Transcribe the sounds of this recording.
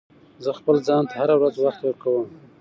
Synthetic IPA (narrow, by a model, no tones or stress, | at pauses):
zəxpəlzɑnt̪ʰahaɾawɾazwaxt̪wəɾkawəm